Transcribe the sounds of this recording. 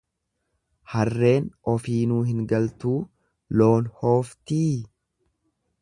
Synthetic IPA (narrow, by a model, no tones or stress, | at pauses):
hɐrːe̞ːnɔfiːnuːɦɪŋɡɐlt̪uː | lo̞ːnho̞ːft̪iː